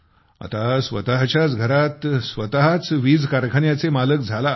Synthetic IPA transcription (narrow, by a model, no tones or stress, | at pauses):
a̰t̪asʋə̰t̪aɦt͡ɕjat͡sɡʱəɾat̪sʋət̪aɦat͡sʋiːd͡zkaɾkʰəɳjat͡semalək̚d͡zʱala